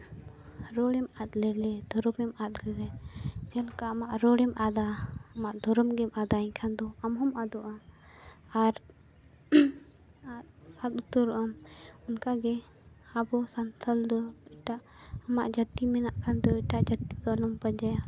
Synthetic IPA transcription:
ɾɔɽɛmat̪lɛlɛd̪ʱɔɾɔmɛmat̪lɛlɛd͡ʒɛlkaamaʔɾɔɽɛmʔad̪aːmaʔd̪ʱɔɾɔmɡɛmad̪aĩɲkʰand̪ɔamɦɔmad̪ɔʔa | aɾ | at̪̚bat̪̚ut̪ɔɾɔʔamunkaɡɛ | abɔsant̪ʰəld̪ɔɛʈaʔ | ɐmaʔd͡ʒət̪imɛnaʔkʰand̪ɔɛʈaʔd͡ʒət̪ːid̪ɔlɔmpəd͡ʒaja

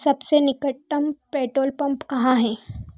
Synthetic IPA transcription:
səbsenikəʈːəmpeʈolpəmpkɐɦãɦẽ

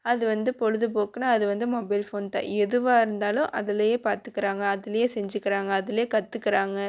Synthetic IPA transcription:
ɐðɯʋɐnd̪ɯpɔɻɯðɯp̬oːkɯnaːɐðɯʋɐnd̪ɯmɔbɐɪlfoːnt̪ã̰ːɛðɯʋaːɪɾɯnd̪aːlʊ̃ʔɐðɪlɐjeːpaːɾt̪ɯkːɪɾaːŋɡɐɐðɪlɐjeːsɛɲd͡ʒɯkːɪɾaːŋɡɐːðɪleːkɐt̪ːɯkːɪɾaːŋɡɐ

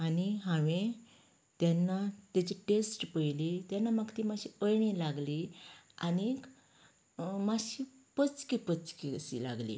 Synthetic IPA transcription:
aniɦãʋẽ | t̪janːat̪at͡ɕiʈesʈpəjlit̪janːamakt̪imaɕiəjɳilaɡlianik | maɕi | pət͡skipət͡skisḭla̰ɡlḭ

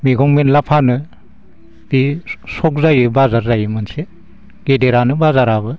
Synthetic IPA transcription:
miɡɔŋmenlapʰanɯ | b̥isɔk̚zajɯbazaɾzajɯmɯnse | ɡ̥edeɾanɯbazaɾabɯ

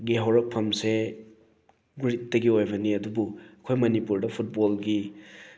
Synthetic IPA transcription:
ɡiɦawɾɐk̚pʰɐmse | ɡuɾit̚ːɐɡiojbɐniɐdubuɐkʰojmɐnipuɾdɐpʰut̚bolɡi

